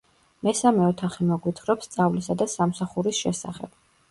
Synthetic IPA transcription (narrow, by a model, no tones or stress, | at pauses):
mɛsamɛɔt̪ʰaχimɔɡwit̪ʰχɾɔpst̪sʼavlisad̪asamsaχuɾisʃɛsa̰χɛ̰b̥